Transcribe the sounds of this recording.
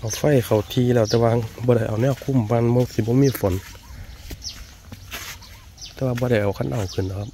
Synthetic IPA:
ʔa˨˩wfa˧˩˨jkʰa˨˩wt̪ʰiː˧lɛː˧˩˨t̪ɛː˧waː˧bɔː˧ɾa˧˩ʔa˨˩wnɛː˧˨kʰːu˧˥˨mbaː˧˨nmɔ˧si˧˦bɔː˧˦miː˧˥˨fo˨˦n | t̪ɛː˧˦waː˧bɔː˧ɾa˧˩jʔa˨˩wkʰa˧˥˨nʔa˧˩wkʰɯ˨˩˨na˧˩kʰa˧p̚

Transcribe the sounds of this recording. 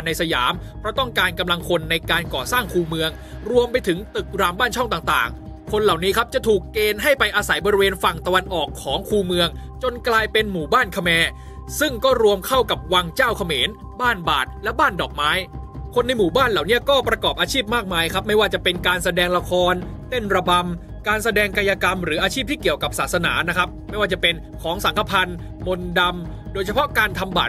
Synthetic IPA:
nːa˧jsa˧ja̰ː˩˦mpʰɾɔ˦˥t̪ɔ˥˩ŋkaː˧nka˧mla˧ŋkʰo˧nːa˧jkaː˧nkɔː˨˩saː˥˩ŋkʰuː˧mɯ˧əŋ | ɾu˧əmpa˧jt̪ʰɯ˩˦ŋt̪ɯ˨˩k̚ɾaː˧mbaː˥˩nt͡ɕʰɔ˥˩ŋt̪aː˨˩ŋt̪a̰ː˨˩ŋkʰo˧nla˨˩wniː˦˥kʰa˦˥p̚t͡ɕa˨˩t̪ʰuː˨˩kːeː˧nɦa˥˩jpa˧jʔaː˧sa˩˦jbɔː˧ɾi˧weː˧nfa˨˩ŋt̪a˧wa˧nʔɔː˨˩kʰːɔː˩˦ŋkʰuː˧mɯ˧əŋ | t͡ɕo˧nklaː˧jpe˧nmuː˨˩baː˥˩nkʰa˧mɛː˧ | sɯ˥˩ŋkɔː˥˩ɾu˧əmkʰa˥˩wka˨˩p̚wa˧ŋt͡ɕaː˥˩wkʰa˧meː˩˦n | baː˥˩nba̰ː˨˩t̪̚lɛ˦˥ʔbaː˥˩ndɔː˨˩k̚maː˦˥jkʰo˧nːa˧jmuː˨˩baː˥˩nlaː˨˩wni˦˥ɐkɔː˥˩pɾa˧kɔː˨˩p̚ʔaː˧t͡ɕʰiː˥˩p̚maː˥˩k̚maː˧jkʰa˦˥p̚ma˥˩jwaː˥˩t͡ɕa˨˩pe˧nkaː˧nsa˧dɛː˧ŋla˧kʰɔː˧nt̪e˥˩nɾa˧ba˧m | kaː˧nsa˧dɛː˧ŋka˧jaː˧ka˧mɾɯ˩˦ʔaː˧t͡ɕʰiː˥˩p̚t̪ʰiː˥˩ki˨˩əwka˨˩p̚saː˨˩sa˧na̰ː˩˦na˦˥kʰa˦˥p̚ma˥˩jwaː˥˩t͡ɕa˨˩pe˧n | kʰɔː˩˦ŋsa˩˦ŋkʰa˧pʰa˧n | mo˧nda˧m | doː˧jt͡ɕʰa˧pʰɔ˦˥kaː˧nt̪ʰa˧mba̰ː˨˩t̪

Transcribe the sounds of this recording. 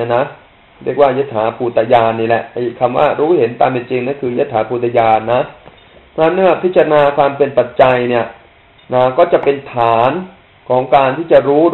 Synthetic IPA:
na˦˥ | ɾi˥˩ək̚waː˥˩je˦˥˩t̪̚ʰːaː˩˦pʰuː˧˩t̪a˧jaː˧nːiː˥˩lɛ˧˦ʔʔa˧˩˨kʰa˧mwa̰ː˥˩ɾuː˦˥ɦe˩˦nt̪a̰ː˧me˧˩nt͡ɕi˧ŋnaː˥˩nkʰɯː˧ja˦˥t̪ʰːaː˩˦pʰuː˧˩t̪ʰa˧jaː˧nːa˦˥ | a˦˥˩nɯ˥˩əpʰi˦˥t̪̚t͡ɕa˧naː˧kʰwaː˧mpe˧npa˨˩t̪̚t͡ɕa˧jni˥˩ɐ | naː˧˩kɔː˥˩t͡ɕa˨˩ʔpe˧nt̪ʰaː˩˦n | kʰɔː˩˦ŋkaː˧nt̪ʰiː˥˩t͡ɕa˨˩ɾuː˦˥

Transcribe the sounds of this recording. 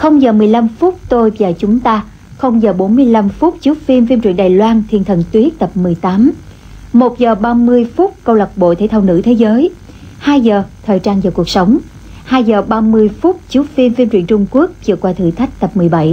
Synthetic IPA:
xə˧wŋ͡mzəː˨˩mɨ˨˩əjla˧mfʊ˦˥t̚t̪o˧jvaː˨˩t͡ɕʊ˨˦ŋ͡mt̪aː˧ | xə˧wŋ͡mzəː˨˩ɓo˨˦nmɨ˧əjla˧mfʊ˦˥t̚t͡ɕu˨˦fi˧mfi˧mt͡ɕwḭ˧˨ənɗaː˨˩jlwaː˧nt̪ʰḭ˧˩ənt̪ʰə˨˩nt̪wi˦˥ək̚t̪ə˨˩p̚mɨ˨˩əjt̪aː˨˦m | mo˨˩t̚zəː˨˩ɓaː˧mɨ˧əjfʊ˦˥t̚kə˧wlə˨˩p̚ɓo̰˧˨t̪ʰe˧˦t̪ʰaː˧wnɨ̰˧˥t̪ʰe˨˦zəː˨˦j | haː˧jzəː˨˩t̪ʰəː˨˩jt͡ɕaː˧nzaː˨˩ku˨˩ək̚sə˨˦wŋ͡m | haː˧jzəː˨˩ɓaː˧mɨ˧əjfʊ˦˥k͡p̚t͡ɕu˨˦fi˧mfi˧mt͡ɕwi˧˨nt͡ɕʊ˧ŋ͡mku˦˥ək̚t͡ɕɨ˧˨əkwaː˧t̪ʰɨ̰˧˩t̪ʰa˦˥jk̟̚t̪ə˨˩p̚mɨ˨˩əjɓa˧˩j

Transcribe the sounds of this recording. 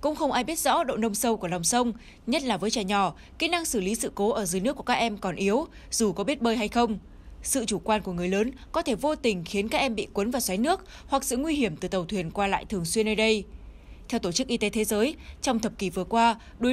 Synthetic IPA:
kʊ̰˧˥ŋ͡mxə˧wŋ͡mʔaː˧jɓi˦˥t̚zɔ̰˧˥ɗo̰˧˨nə˧wŋ͡msə˧wku˧˩əla˨˩wŋ͡msə˧wŋ͡m | ɲə˦˥t̚laː˨˩vəː˨˦jt͡ɕa˧˩jɲɔ˨˧˩ | ki˨˦˥na˧ŋsɨ˧˩li˨˦sɨ̰˧˨ko˨˦ʔəː˧˩zjnɨ˦˥ku˧˩ka˦˥ʔɛ˧mkɔ˨˩nʔi˨˦əw | z̥u˨˩kɔ˨˦ɓi˦˥t̚ɓəː˧jɦa˧jxə˧wŋ͡m | sɨ̰˧˨t͡ɕu˧˩kwaː˧nku˧˩əŋɨ˨˩əjləː˨˦n | kɔ˨˦t̪ʰe˧˩vo˧t̪ï˨˩ŋ̟xi˨˦ənkaː˦˥k̚ʔɛ˧mɓḭ˧˨kwə˨˦nvaː˨˩swa˨˦jnɨ˦˥ək̚ | hwa˨˩k̚sɨ̰˧˨ŋwi˧ɦi˧˩əmt̪ɨ˨˩t̪ə˨˩wt̪ʰwi˨˩ənkwaː˧la̰ː˧˨jt̪ʰɨ˨˩əŋswi˧ənːəː˧jɗə˧j | t̪ʰɛ˧wt̪o˧˩t͡ɕɨ˦˥k̚ʔi˧t̪e˨˦t̪ʰe˨˦zəː˨˦jt͡ɕɔ˧wŋ͡mt̪ʰə˨˩p̚ki˧˩vɨ˨˩əkwaː˧ | ɗu˨˦

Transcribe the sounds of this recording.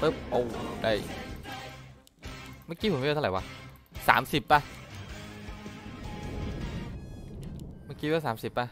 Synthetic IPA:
pɤ˦˥˩p̚ʔo˧˩wka˧˩j | ma˧˥˩kiː˧o˩˦mːʰ˥˧˨a˨˩˦waː˧ | sa̰ː˩˦msi˨˩p̚ːa˧ | maː˧˥˩kiː˧wɛː˦˥saː˩˦msi˨˩p̚ːa˧

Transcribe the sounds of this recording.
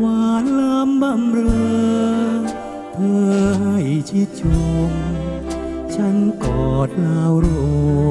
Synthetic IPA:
waː˧nla˧˥mba˧˩mɾɤː˧ | p̪ʰɤː˧ha˧˩jt͡ɕʰi˧˩t͡ɕo˧˩ŋ | t͡ɕʰa˦˥nkɔː˨˩t̪̚laː˧wɾo˧

